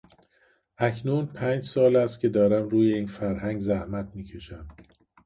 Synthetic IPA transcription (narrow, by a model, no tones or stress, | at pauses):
ʔæcʰnuːnpʰæːnd͡ʒsɒːlæst̪̚cʰe̞d̪ɒːɾæmɾuːje̞iːnfæɾɦæŋɡzæhmæt̪̚ʰmiːcʰe̞ʃæm